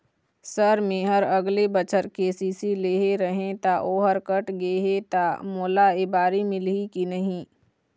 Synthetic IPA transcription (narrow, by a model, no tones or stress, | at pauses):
səɾmẽɦəɾɐɡlebət͡ʃəɾkeːsiːsileːɦeɾəɦẽt̪aʔoːɦəɾkəʈɡeːɦet̪amoːlaebaːɾimɪlikinəɦĩ